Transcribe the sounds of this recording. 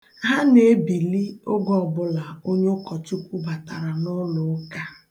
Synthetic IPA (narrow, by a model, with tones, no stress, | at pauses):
ɦa˦ne˨e˦bi˨li˦o˦ɡɔ˨ɔ˨bʊ˨la˨o˦ɲe˦kɔ˨tu˦kʷu˦ba˨ta˨ɾa˨nʊ˦lʊ˦ka˦